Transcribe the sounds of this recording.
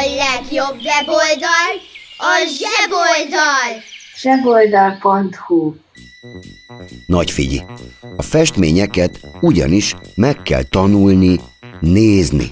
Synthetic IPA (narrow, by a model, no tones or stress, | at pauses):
lɛɡjo̞bːɛbold̪ɒlɒʒɛbold̪ɒlʒ̥ɛbold̪ɒlpont̪hu | nɒcfḭɟḭɒfɛʃt̪mḛːɲɛkɛt̪uɟɒ̰niʃmɛkːɛ̰lt̪ɒnulnineːznḭ